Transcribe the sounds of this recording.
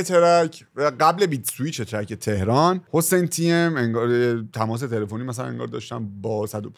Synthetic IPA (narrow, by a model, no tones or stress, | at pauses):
et̪ʰeɾæcʰvæɡæble̞biːd̪suiːt͡ʃʰet̪ʰɾæcʰet̪ʰe̞hɾɒːnho̞sejnt̪ʰiemeŋɡɒːɾjet̪ʰæmɒːs̬e̞t̪ʰe̞le̞fo̞niːmæs̬ælæ̰nḛŋɡɒ̰ɾd̪ɒ̰ːʃt̪ænbɒːsæd̪op